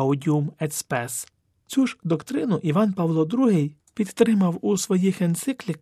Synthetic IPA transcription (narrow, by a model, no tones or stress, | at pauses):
ʊdʲiumɛspɛs | t͡sʲuʒd̪ɔkt̪ɾɪnʊʔiʋɑnpɑʋlˠɔd̪ɾuɦɪj | pʲid̪t̪ɾɪmɐwusʋɔjixent̪sɪklʲik